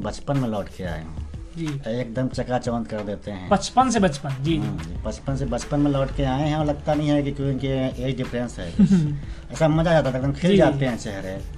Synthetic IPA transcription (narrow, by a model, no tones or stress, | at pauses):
bət͡ʃpənmẽlɔːʈkea̰ːḛɦṵ̃d͡ʒieːk̚d̪əmt͡ʃəkat͡ʃəʋənd̪kəɾd̪eːt̪eɦɛ̰̃bət͡ʃpənsebət͡ʃpənd͡ʒiɦãd͡ʒibət͡ʃpənsebət͡ʃpənmẽlɔːʈkeaːeɦɛ̃ɔləɡt̪anəɦĩɦɛk̬ikokeeiɖɪpʰɾẽnsɦɛ̰k | ɛːsaməd͡ʒad͡ʒaːt̪at̪ek̚d̪əmkʰeld͡ʒaːt̪eɦɛ̃t͡ʃɛɦɾẽ